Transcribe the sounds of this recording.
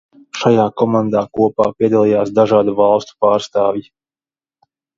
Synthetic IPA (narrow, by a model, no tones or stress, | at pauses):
ʃajaːkɔmand̪aːkuɔpaːpiɛd̪alˠijaːsd̪aʒaːd̪uvɑlˠst̪u̥paːɾst̪aːvji